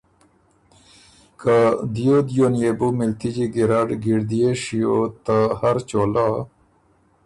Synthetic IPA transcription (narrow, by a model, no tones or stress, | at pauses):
kad̪ijod̪jonjebumilt̪id͡ʑiɡiɾaɖɡiɽd̪ijeʂiot̪ahɐɾt͡ɕoːla